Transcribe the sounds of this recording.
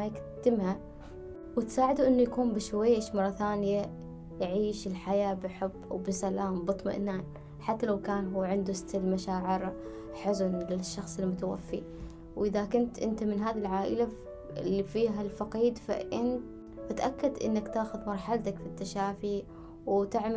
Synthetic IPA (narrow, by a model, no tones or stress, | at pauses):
ajɪk | t̪ɪmha | wɪt̪saːʕɪd̪uʔɪnːujakuːmbɪʃwajːʔeʃmɑrˤːɑθaːnɪja | jʕiːʃɪlħajaːbɪħʊbːwbɪsalaːmbɨt̪ˤma̰ʔnaːn | ħat̪ːalawkaːnɦuːʕɪnd̪usɪ̥t̪ːalmaʃaːʕɪɾ | ħʊzʊnlɪʃːɑxsˤɪlmʊt̪awa̰fːḭ | wʔɪðakʊnt̪ʔɪ̰nt̪amɪnɦaːðilʕaːʔɪ̰la | ɪ̰lːifiːɦalfɑqiːd̪fa̰ʔɪnt̪ | at̪ʔakːad̪ʔɪ̰nːakt̪aːxʊðmɑɾˤħalt̪akfit̪ːaʃaːfi | wt̪ɪʕm